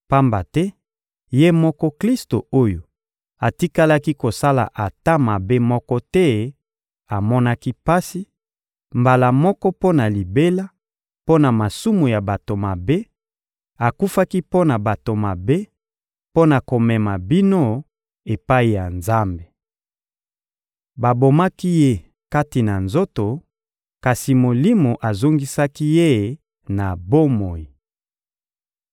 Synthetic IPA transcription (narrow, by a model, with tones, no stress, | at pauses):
pa˦mba˨tɛ˦ | je˦mɔ˦kɔ˦kli˦sto˨o˦jo˨ | a˨ti˦ka˦la˦ki˦ko˨sa˦la̰˨ʔa˨ta˦ma˨be˦mɔ˦kɔ˦tɛ˦ | a˨mɔ˦na˦ki˦pa˦si˦ | mba˨la˨mɔ˦kɔ˦po˦na˨li˨be˦la˦ | po˦na˨ma˨su˦mu˨ja˨ba˨to˨ma˨be˦ | a˨ku˦fa˦ki˦po˦na˨ba˨to˨ma˨be˦ | po˦na˨ko˨mɛ˨ma˨bi˦no˦ | e˨pa˦i˨ja˨nza˦mbe˨ | ba˨bo˨ma˦ki˦je˦ | ka˦ti˨na˨nzo˦to˨ | ka˨si˨mo˨li˦mo˨ʔa˨zo˦ŋɡi˦sa˦ki˦je˦ | na˨bo˦mo˨ji˨